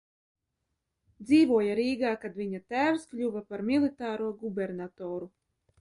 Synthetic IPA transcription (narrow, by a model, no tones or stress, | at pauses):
d̪ziːvuɔjaɾiːɡaːkad̪vʲiɲat̪æːwsklʲuvapaɾmʲilˠit̪aːɾuɔɡubʲɛɾnat̪ɔːɾu